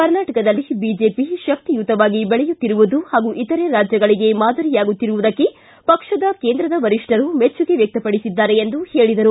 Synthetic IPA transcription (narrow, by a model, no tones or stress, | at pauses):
kɐɾnaːʈɐkɐd̪ɐlːibiːd͡ʒe̞ːpiʃɐk̚t̪ijut̪ːɐʋaːɡibɛɭɛjut̪ːiɾuʋud̪uhaːɡuʔit̪ɐɾe̞ɾaːd͡ʒjɐɡɐɭiɡe̞maːd̪ɐɾijaːɡut̪ːiɾuʋud̪ɐkːe | pɐkʂɐd̪ɐke̞ːnd̪ɾɐd̪ɐʋɐɾiʂʈɐɾumet͡ʃːuɡe̞ʋjɐk̚t̪ɐpɐɽisid̪ːaːɾe̞ːnd̪uhe̞ːɭid̪ɐɾu